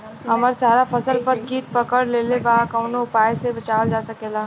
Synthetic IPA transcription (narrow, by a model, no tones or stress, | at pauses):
ɐməɾsaːɾafɐsəlpəɾkiːt̪̚pɐkəɽleːlebaːkɐ̃ːnoʊpaːjsebɐt͡ʃaːld͡ʒaːsɐkeːlaː